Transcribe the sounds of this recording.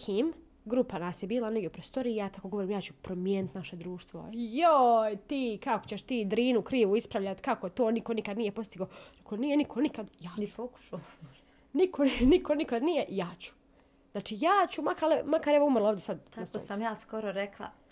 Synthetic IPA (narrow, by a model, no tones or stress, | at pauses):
kʰiːm | ɡɾupanaːsjebiːlˠaneɡjʲeupɾost̪o̞ɾiːjat̪akoɡo̞ʋoɾiːmjaːt͡ɕupɾomjenit̪naʃe̞d̪ɾuːʃt̪ʋojojt̪iːkako̞̥t͡ɕeʃt̪iːd̪ɾiːnukɾiːʋuispɾaʋʎat̪kakot̪oːnikonikad̪nijepo̞st̪iɡoːɾekʰonijenikʰonikad̪jaːpoku̥ʃ | nikʰoniko̞nikad̪nijejaːt͡ɕu̥ | znaːt͡ʃiːjaːt͡ɕumakalemakaɾeʋoumɾloːʋd̪ʲesad̪asosamjaːskoɾoɾeklˠa̰